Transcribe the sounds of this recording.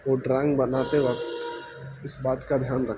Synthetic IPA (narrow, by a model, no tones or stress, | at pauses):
oːɖɾɛ̃ːŋɡbɐnaːt̪eʋɐkt̪ | ɪsbaːt̪kad̪ʱjaːnɾɐkʰ